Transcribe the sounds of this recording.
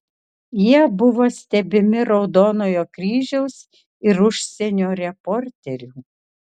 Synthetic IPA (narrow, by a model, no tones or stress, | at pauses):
jiɛbʊʋoːsʲt̪ʲɛbʲɪmʲɪɾɒʊd̪oːnoːjoːkɾʲiːʒʲɛʊs | ɪɾʊʃʲsʲɛnʲoːɾʲɛpɔːɾʲt̪ʲɛɾʲuː